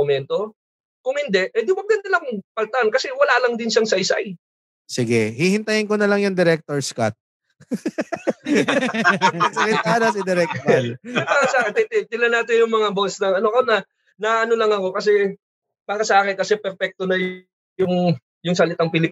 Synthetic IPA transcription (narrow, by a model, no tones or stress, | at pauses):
ʊmɛnt̪o̞ | kʊŋhɪnd̪ɛʔʔɛjd̪ɪmɐɡ̚d̪ɐnd̪ɪlakʊŋpɐlt̪ankɐsɛwɐlaːlɐŋd̪ɪnʃaŋsɐʔɪsa̰j | sɪɡɛhihɪnt̪ɐjɪnkonɐlaŋjʊŋd̪ɛɾɛk̚t̪oɹskat̪̚ | ɐsɐlɪt̪aːd̪ɐsɪd̪ɛɾɛk̚lɐbaːkɐsat̪ɪt̪ɪt̪ɪlɐnaːt̪ɪnjʊŋmɐŋabosnɐŋɐnoko̞nɐ | nɐʔɐno̞lɐŋɐko̞kɐs̬ɛ | b̥aːkɐsɐʔaːkɪnkɐsɛpɛɾfɛk̚t̪onɐj | ʊŋ | jʊŋsɐlɪt̪aŋpɪlɪp